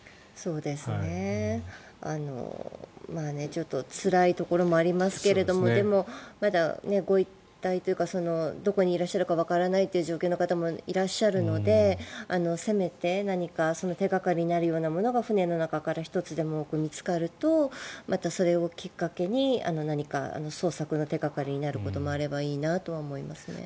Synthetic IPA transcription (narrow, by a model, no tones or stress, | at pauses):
so̞ːd̪e̞sɨne̞ | a̰no̞̰mane̞t͡ɕo̞t̪ːo̞t͡sɨɾait̪o̞ko̞ɾo̞mo̞aɾʲimasɨ̥ke̞ɾe̞d̪o̞mo̞d̪e̞mo̞mad̪ane̞ɡo̞it̪ːait̪ojɯ̟kaso̞no̞d̪o̞ko̞ɲ̟iːɾaɕːaɾɯ̟kaβ̞akaɾanait̪ːeiɯ̟ʑo̞ːkʲeoːno̞kat̪amo̞iɾaɕːaɾɯ̟no̞d̪e̞ano̞se̞me̞t̪e̞naɲ̟ikaso̞no̞t̪e̞ɡakaɾʲiɲ̟inaɾɯjo̞ːnamo̞no̞ɡaɸɯ̟ne̞no̞nakakaɾaçi̥t̪o̞t͡sɨd̪e̞mo̞oːkɯ̟mʲit͡sɨ̥kaɾɯ̟t̪o̞mat̪aso̞ɾe̞o̞kʲikːake̞ɲ̟ia̰no̞naɲ̟ika̰a̰no̞so̞ːsakɯ̟no̞t̪e̞ɡakaɾʲiɲ̟inaɾɯ̟ko̞t̪o̞mo̞aɾe̞baiːnat̪o̞βaomo̞imasɨ̥nḛ